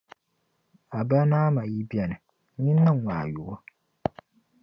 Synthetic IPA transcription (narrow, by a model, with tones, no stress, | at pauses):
a˨ba˦naː˦ma˨ji˦bi˦ɛ˨nɨ˨ | ɲɪ˦nːɨ˦˨ŋʷaː˨ju˨ʔɔ˦